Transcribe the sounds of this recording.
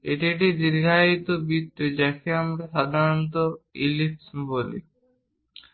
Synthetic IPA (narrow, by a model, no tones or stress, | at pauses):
ḛʈiʈid̪iɾɡʱait̪obit̪ːed͡ʒɛkʰeamɾaʃad̪ʱaɾont̪̬oilipsbolḭ